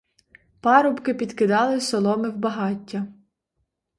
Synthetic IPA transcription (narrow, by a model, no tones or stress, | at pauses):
pɑɾɔbkɪpʲid̪kɪd̪ɑlˠɪsɔlˠɔmɪwbɐɦɑtʲːɐ